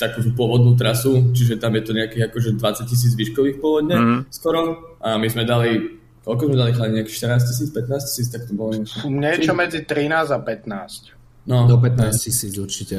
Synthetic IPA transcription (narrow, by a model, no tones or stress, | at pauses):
t̪akuːt̪upʊɔʋɔd̪nuːt̪ɾasut͡ʃiʒɛt̪amjɛt̪ɔɲɛakiːɣakɔʒɛd̪ʋat͡sac̚cis̬iːd͡zʋiʃkɔʋiːxpʊɔʋɔd̪ɲɛskɔɾɔ | ʔamizmɛd̪ali | kɔlkɔzmɛd̪alixaɲɛakiːxʃt̪əɾnaːs̬cis̬iːt͡spɛt̪naːsci̥siːt͡st̪ak̚t̪ɔbɔlɔɲɛkɲɛt͡ʃɔmɛd͡zit̪ɾinaːzapɛt̪naːsc | nɔd̪ɔp̬ɛt̪naːscisiːd͡zuɾt͡ʃicɛ